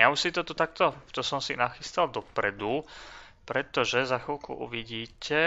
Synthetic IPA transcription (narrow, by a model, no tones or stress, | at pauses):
jausit̪ɔt̪ut̪ak̚t̪ɔt̪ɔsɔmsinaxist̪ald̪ɔpɾɛd̪u | pɾɛt̪ɔʒɛzaxilkṵʔṵʋiɟiːcɛ